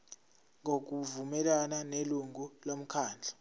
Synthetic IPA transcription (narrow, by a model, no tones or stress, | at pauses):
ŋok̬uvumɛlananeluŋulom̩kʰaːnd͡ɮʱḁ